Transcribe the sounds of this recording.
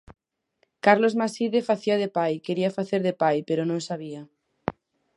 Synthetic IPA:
kaɾlozmasiðefaθiaðepajkeɾiafaθeɾðepajpeɾonõŋsaβ̞ia

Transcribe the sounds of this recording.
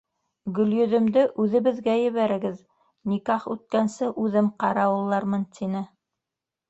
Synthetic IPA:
ɡɵ̆ljɵ̆ðɵ̆md̪ɘʔʉðɘ̆βɘ̆ðɡæjɘ̆βæɾɘ̆ɡɘð | nikɑχʉt̪̚kænsɘʔʉðɘmqɑɾɑwɤ̆lˠːɑɾmɤnt̪ʰinɘ

